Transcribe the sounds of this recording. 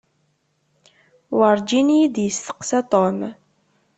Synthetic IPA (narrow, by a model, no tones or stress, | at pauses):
wəɾˤd͡ʒinid̪jəsθə̥qsæt̪ˤom